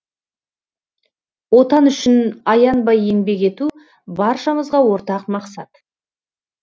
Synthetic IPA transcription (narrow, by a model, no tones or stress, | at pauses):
wo̞t̪ɑnʏʃɪnɑjɑnbɑje̞ŋbe̞ke̞t̪u | bɑɾʃɑməzʁɑwo̞ɾt̪ɑqmɑqsɑt̪